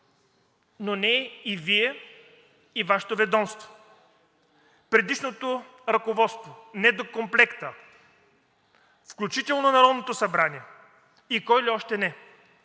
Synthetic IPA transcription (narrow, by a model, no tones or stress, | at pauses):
nonɛiviɛ | ivaʃɛ̥t̪ovɛd̪ɔmst̪vo̥ | pɾɛd̪iʃnot̪o | ɾɐkovɔt̪st̪vonɛd̪okomplɛkt̪ə | fklʲut͡ʃit̪ɛlˠnonɐɾɔd̪not̪osɐbɾaniɛ | ikɔjliɔʃt̪ɛnɛ